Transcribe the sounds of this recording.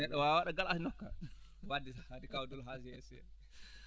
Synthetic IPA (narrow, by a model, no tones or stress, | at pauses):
ɛɗɔwawaɗaɡalasinɔkːa | wadisahadikawdɔlɦasiɛsḭ